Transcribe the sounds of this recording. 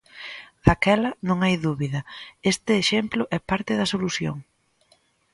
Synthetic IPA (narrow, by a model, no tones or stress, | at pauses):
d̪̥akɛlɐnõŋajðuβiðɐest̪ɪːʃemplʊʔɛpaɾt̪ɪðɐsoluθjo̰ŋ